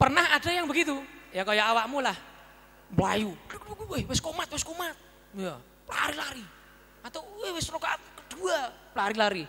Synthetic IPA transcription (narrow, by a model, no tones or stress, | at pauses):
pərnahad̥a̤jaŋbəɡit̪ujakajɔʔawakmulah | mla̰juɡwehwɪskomat̪̚wɪskomat̪̚ | ja | pla̰ɾilaɾi | at̪awehwɪsrokat̪kə̥d̪̥uaplaɾilaɾi